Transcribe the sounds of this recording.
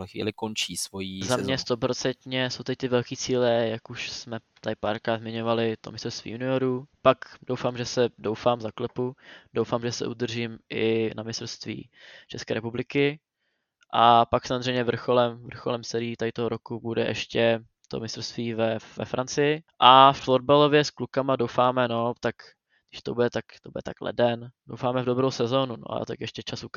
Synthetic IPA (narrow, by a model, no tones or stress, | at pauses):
ulɛxvḭːlɪkont͡ʃiːsvojizamɲɛst̪opɾo̞t͡sɛnt̪ɲɛso̞wt̪ɛc̚t̪ɪvɛlkiːt͡siːlɛjakuʃsmɛ | t̪ajpaɾkazmɪɲo̞valɪt̪o̞̰mɪst̪ɾofst̪vḭːjunɪoɾupakdowfaːmʒɛsɛdowfaːmzaklɛpudowfaːmʒɛsɛ̰ʔud̪r̩ʒiːmʔɪ̰namɪst̪ɾofst̪vḭː | t͡ʃɛskɛːɾɛpublɪkɪ | ʔapaksamozr̝ɛjmɲɛvr̩xolɛmvr̩xolɛmsɛɾɪiːt̪aɪt̪oɦoɾokubudɛ̰ʔɛʃcɛ | t̪o̞̰mɪst̪ɾost̪viːvɛvɛ̰fɾant͡sɪjɪʔafod̚balo̞vjɛsklukamadowfaːmɛno̞t̪ak | ɡdɪʃt̪o̞budɛt̪akt̪obudɛt̪aklɛ̰dɛndo̰wfaːmɛvdo̞bɾowsɛzo̞ːnuno̰a̰t̪akjɛʃcɛt͡ʃasuk